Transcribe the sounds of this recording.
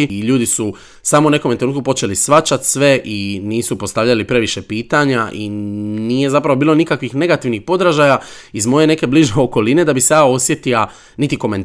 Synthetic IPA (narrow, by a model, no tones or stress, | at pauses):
iʎuːd̪isu | saːmoune̞ko̞memt̪ɾenuːt̪kupo̞t͡ʃe̞lisʋat͡ʃat̪sʋe̞ʔiniːsupo̞st̪aʋʎalipɾe̞ʋiʃe̞piːt̪aɲaʔiniːje̞zapɾaʋobiːlˠo̞nikakʋixne̞ɡat̪iʋnixpo̞d̪ɾaʒaja | izmo̞je̞ne̞ke̞bliʒeoko̞line̞d̪abisejao̞sje̞t̪ia | nit̪iko̞me̞nt̪